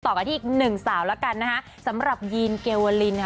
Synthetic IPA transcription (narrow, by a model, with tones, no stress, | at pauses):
t̪ɔː˨˩ka˧tʰiː˥˨˩k̚nɯ˨˩ŋsaː˩˦wla˦˥ka˧nːa˦˥kʰa˦˥ | sa˩˦mɾa˨˩p̚jiː˧nkeː˧wəː˧li˧nkʰ